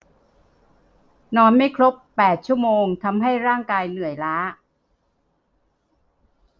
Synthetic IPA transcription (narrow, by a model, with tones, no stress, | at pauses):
nɔː˧nma˥˩jkʰɾo˦˥pːɛː˨˩t̪̚t͡ɕʰu˥˩əmoː˧ŋt̪ʰa˧mɦa˥˩jɾaː˥˩ŋkaː˧jnɯ˨˩əjlaː˦˥